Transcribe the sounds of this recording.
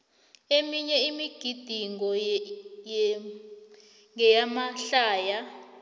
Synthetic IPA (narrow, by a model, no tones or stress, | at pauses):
emiɲɛimiɡ̥ʱid̥ʱiŋɔ | ŋɛjamaɬaːja